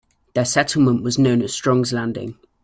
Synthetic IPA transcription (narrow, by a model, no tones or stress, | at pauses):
ðəsɛtʰˡl̩ˠmə̃nʔwɒznõʊ̃nəz̥stɹ̥ɒ̃ŋzlãndɪ̰̃ŋ